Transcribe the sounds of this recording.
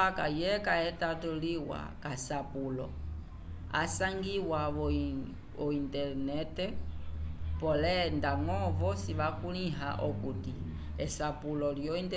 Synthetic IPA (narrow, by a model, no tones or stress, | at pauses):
aka̰jɛkaɛtatuliwa̰kasapulɔ̰ | a̰saŋɡiwa | ɔintɛɾnɛtɛ | pɔlɛndaŋɔvɔsiβakuliɦa̰ʔɔkuti | ɛsapulɔljɔintɛ